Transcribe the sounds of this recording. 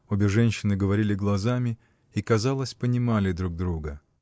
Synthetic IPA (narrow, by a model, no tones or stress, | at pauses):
obʲɪʐɛnʲɕːɪnɨɡəvɐɾʲilʲɪɡlˠɐzamʲɪ | ikɐzalˠəsʲpənʲɪmalʲɪd̪ɾuɡ̚d̪ɾuɡə